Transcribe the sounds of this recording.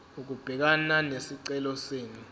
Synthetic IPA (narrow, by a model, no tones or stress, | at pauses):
uk̬ub̥ʱɛk̬ananesiǀɛlɔseːni